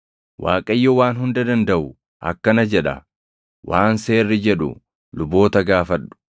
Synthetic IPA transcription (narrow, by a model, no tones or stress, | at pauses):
wa̰ːkʼɐjːɔwaːnɦʊnd̪ɐd̪ɐnd̪ɐʔʊ | ʔɐ̰kːɐnɐd͡ʒɛᶑɐ̰ | wʔaːnseːrːɪd͡ʒɛᶑʊ̰ | lʊbo̞ːt̪ɐɡaːfɐᶑːʊ̥